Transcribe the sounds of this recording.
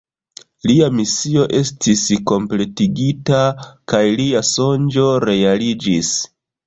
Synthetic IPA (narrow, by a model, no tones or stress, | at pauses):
liamisio̞ʔe̞stisko̞mple̞tiɡitakajliaso̞nd͡ʒo̞ɾe̞alid͡ʒis